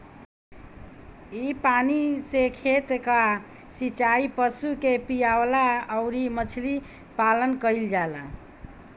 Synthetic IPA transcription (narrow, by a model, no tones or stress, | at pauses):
ipanisekʰet̪ka | sit͡ʃaipəsukepijawlaəʊɾimət͡ʃʰli | palənkəild͡ʒala̰